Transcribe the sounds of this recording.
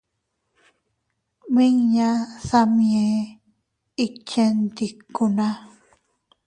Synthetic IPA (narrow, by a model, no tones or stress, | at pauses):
miŋɲasamie | it͡ʃent̪ikːuna